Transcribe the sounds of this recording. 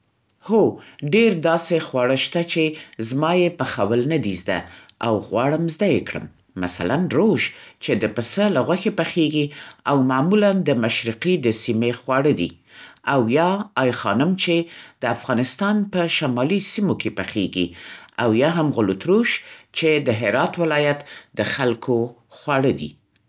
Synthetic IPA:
hoɖeɾd̪ɑsexwɑɽəʃt̪at͡ʃezmɑjepəxawəlnad̪izd̪a̰awɣwɑɽəmzd̪ajekɽə̰mː | a̰sa̰lanɾoʒt͡ʃed̪əpəsəlaɣwaxepəxeɡiawmamuland̪əmaʃɾiqid̪əsimexwɑɽəd̪i | awjɑɑjxɑnʊmt͡ʃed̪̥əafɣɑnɪst̪ɑnpəʃamɑlisimokʰepəxeɡḭawjɑɦamɣʊlot̪ɾuʃt͡ʃed̪əɦɪɾɑt̪wɪlɑjat̪d̪əxalkʰo | xwɑɽəd̪ḭ

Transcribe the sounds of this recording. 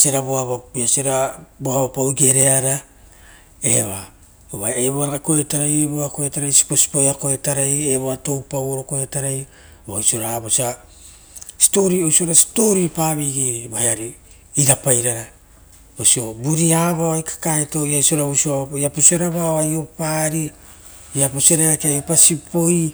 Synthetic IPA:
seɾaboaβaiaseɾaboabapawiɡe̞ɾe̞aɾa | e̞βa | oβaeβoaakoetaɾajeboakoetaɾajsi̥po̞si̥pojako̞etaɾajeβoato̞wpawoɾoko̞etaɾaj | bajsio̞ɾaːβosia | si̥to̞ɾio̞jsio̞ɾasi̥to̞ɾipaːβiɡiɾibaeaɾi | iɾapajɾaɾa | bosio̞buɾiaβaoajkḁkaeto̞iajso̞ɾausioajaposeɾaβaoajo̞paɾi | japoseɾaɾakeajo̞pasipʰo̞j

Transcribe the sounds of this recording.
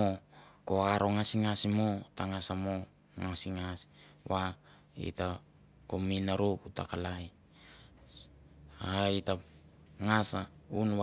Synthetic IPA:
oko̞aɾo̞ŋasiŋasimo̞taŋasamo̞ | ŋasiŋasi̥ | wa | ḭta | kominaɾokuta̰kalaj | aita | ŋasaunwa

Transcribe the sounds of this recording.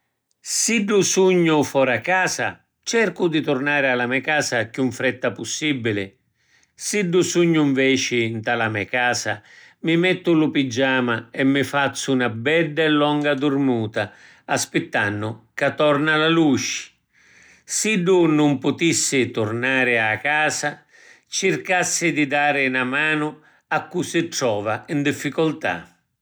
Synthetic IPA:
siɖːusuɲːʊfɔːɾakːaːsa̰ | t͡ʃɛrkʊd̪it̪ʊrnaːɾɪalamɛkaːsakjuɱfɾɛt̪ːapʊsːibːilɪ | siɖːusuɲːʊiɱvɛːt͡ʃɪnt̪alamɛkaːsa̰ | mɪmɛt̪ːʊlʊpid͡ʒːaːmaɛmːɪfat̪sːʊunabɛɖːɛlːɔŋɡad̪ʊrmuːt̪aː | spɪt̪ːanːʊkat̪ːɔrnalalut͡ʃɪ̥ | siɖːʊnʊmpʊt̪isːɪt̪ʊrnaːɾɪakaːsa | t͡ʃɪrkasːɪd̪ɪd̪aːɾɪnamaːnʊ | akːusɪʈɾɔːvaind̪ifːikʊlt̪a̰

